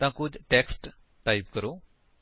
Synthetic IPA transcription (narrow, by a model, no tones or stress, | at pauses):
t̪ãkud͡ʒʈeksʈ | ʈajp̚kəɾo